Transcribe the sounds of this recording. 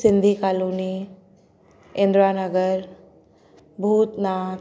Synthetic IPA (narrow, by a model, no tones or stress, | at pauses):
sind̪ʱikaːluːni | ẽnd̪ɾanəɡəɾ | bʱuːt̪na